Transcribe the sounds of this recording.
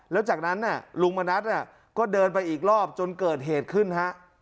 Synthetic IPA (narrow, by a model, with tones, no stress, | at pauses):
lɛː˦˥wt͡ɕaː˨˩k̚na˦˥nːi˧˥˩lu˧ŋma˧na˦˥t̪̚na˧˥˩ | kɔː˥˩dɤː˧npa˧jʔiː˨˩k̚lɔː˥˩p̚t͡ɕo˧nkɤː˨˩t̪̚ɦeː˨˩t̪̚kʰɯ˥˩nha˦˥ʔ